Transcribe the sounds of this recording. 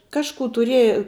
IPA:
ˈkɑːʃkuː tʊˈrʲiɛjɛ

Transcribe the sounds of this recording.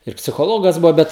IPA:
ɪr pʲsʲɪxoːˈlˠoːɡɐs ˈbʊʋoː ˈbʲɛt

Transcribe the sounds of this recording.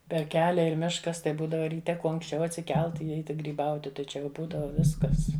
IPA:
pʲɛr ˈkʲæːlʲɛ ɪr ˈmʲɪʃkɐs tɐɪ ˈbuːdɐʋɐ rʲiːˈtʲɛ ˈkuɔ ɐŋksʲˈt͡ʃʲɛʊ ɐtʲsʲɪˈkʲɛlˠt ɪ ˈɛɪtʲɪ ɡrʲiːˈbɐʊtʲɪ tɐɪ ˈt͡ʃʲɛ jɛʊ ˈbuːdɐʋɐ ˈʋʲɪskɐs

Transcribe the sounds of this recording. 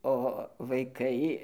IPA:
oː ʋɐɪˈkɐɪ

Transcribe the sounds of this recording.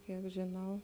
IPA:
ˈkʲiɛk ʒʲɪˈnɐʊ

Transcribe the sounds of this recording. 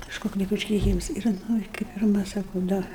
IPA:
kɐʃˈkoːk lʲɪk ʊʃʲkʲɛɪˈkʲiːms ɪr ˈnʊ ɪ kɐɪ pʲɪrˈmɐ ˈsɑːkʊ ˈdɐ

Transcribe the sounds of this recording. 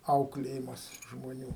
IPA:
ˈɐʊklʲeːjɪmɐs ʒmoːˈnʲuː

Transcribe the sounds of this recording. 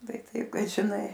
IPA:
ˈtɐɪ ˈtɐɪp kɐt ʒʲɪˈnɐɪ

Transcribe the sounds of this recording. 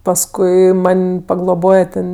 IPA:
pɐsˈkʊɪ ˈmɐnʲ pɐɡlˠoːˈboːjɛ tʲɛn

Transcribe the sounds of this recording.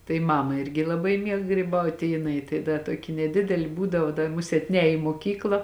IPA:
tɐɪ ˈmɑːmɐ ˈɪrʲɡʲɪ lˠɐˈbɐɪ ˈmʲiɛk ɡrʲiːˈbɐʊtʲɪ ɪ jɪˈnɐɪ tɐɪ ˈdɐ ˈtoːkʲɪ nʲɛˈdʲɪdʲɛlʲɪ ˈbuːdɐʋoː dɐ ˈmʊsʲeːt ˈnʲɛːj iː moːˈkʲiːklˠɐ

